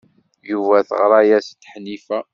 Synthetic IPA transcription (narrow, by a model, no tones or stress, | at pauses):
juvæθəʁɾˤɑjæst̪ːħnifæ